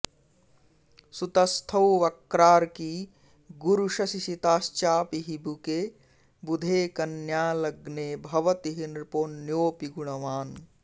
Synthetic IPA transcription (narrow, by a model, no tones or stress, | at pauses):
sut̪ɐst̪ʰɐwʋɐkɾaːɾkiː | ɡuɾuʃɐsisit̪aːst͡ʃaːpiɦibuke | bud̪ʱeːkɐnjaːlɐɡneːbʱɐʋɐt̪iɦinɾpoːnjoːpiɡuɳ̃ɐʋaːn